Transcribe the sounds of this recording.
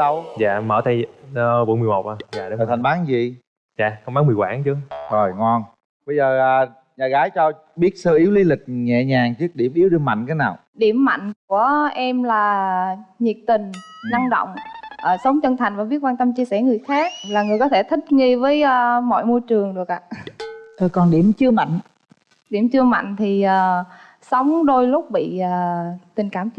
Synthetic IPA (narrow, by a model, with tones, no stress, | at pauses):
ɗə˧wza̰ː˧˨məː˧˩t̪ʰa˧jɓo˧˩˦nmɨ˨˩əjmo˨˩k͡p̚ʔa˧˩aː˨˧˨ə˨˩t̪ʰa˨˩ŋɓaː˨˦nzi˨ | za̰ː˧˨kwŋ͡mɓaː˨˦nmɨ˨˩əjwaː˧˦nt͡ɕɨ˨˦əzo˨˩jŋɔ˧n | ɓə˧jzəː˨˩ʔəː˨˩ | ɲaː˨˩ɣaː˨˦jt͡ɕɔ˧ | ɓi˦˥ət̚səː˧ʔi˨˦wli˧lï˨˩k̟̚ŋɛ̰˧˨ɲaː˨˩ŋt͡ɕɨ˦˥ək̚ɗi˧˩əmʔi˨˦wɗɨ˧əma̰˧˨jŋ̟t̪ʰaː˨˦naː˨˩w | ɗi˧˩əmːa̰˧˨jŋ̟ku˧˩əʔɛ˧mlaː˨˩ | ɲi˨˩p̚t̪ï˨˩ŋ̟na˧ŋɗo̰˧˨wŋ͡mʔəː˨˩sə˨˦wŋ͡mt͡ɕə˧nt̪ʰa˨˩jŋ̟vaː˨˩vi˦˥əkwaː˧nt̪ə˧mt͡ɕi˧sɛ˧˩ŋɨ˨˩əjxaː˦˥k̚laː˨˩ŋɨ˨˩əjkɔ˨˦t̪ʰe˧˩t̪ʰï˦˥k̚ŋi˧vəː˨˦jəː˧mɔ̰˧˨jmo˧jt͡ɕɨ˨˩əŋɗɨ˨˩ək̚ʔa̰ː˧˨ʔəː˨˩kɔ˨˩nɗi˧˩əmt͡ɕɨ˧əma̰˧˨jŋ̟ | ɗi˧˩əmt͡ɕɨ˧əma̰˧˨jŋ̟t̪ʰi˨˩ʔəː˨˩ | sə˨˦wŋ͡mɗo˧jlʊ˦˥k͡p̚ɓḭ˧˨əː˨˩t̪ï˨˩ŋ̟kaː˧˩m